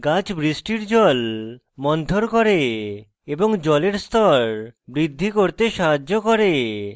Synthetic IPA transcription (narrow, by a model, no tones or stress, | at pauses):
ɡãt͡ɕbɾisʈiɾd͡ʑɔl | mɔnt̪oɾkɔɾe | eboŋd͡ʑɔleɾst̪ʰɔɾbɾid̪ʱːikoɾt̪eʃaɦad͡ʑːokɔɾe